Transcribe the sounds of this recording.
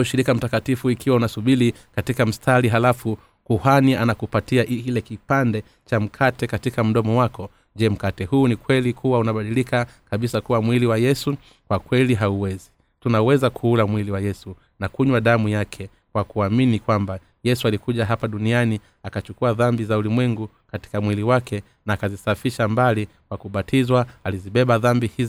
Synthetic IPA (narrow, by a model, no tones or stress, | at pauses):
uʃiɾikam̩takatifuikiwaunasuɓili | katikam̩stʰaliɦalafu | kuhanianakupatiaʔilɛkipandɛ | t͡ʃam̩kʰatɛkatikam̩ɗɔmɔwakɔ | ʄɛm̩katɛhuːnikwɛlikʰuwaunaɓaɗilikakaɓisakuwamwiliwajɛsu | kwakwɛliɦauwɛzi | tunawɛzakʰuːlamwiliwajɛsu | nakuɲwaɗamujakʰɛ | kwakuaminikwamba | jɛsualikuʄaɦapaɗuniani | akat͡ʃukuaðambizaulimwɛŋɡu | kati̥kamwiliwakʰɛ | naːkazisafiʃambali | kwakuɓatʰizwaːliziɓɛɓaðambihiz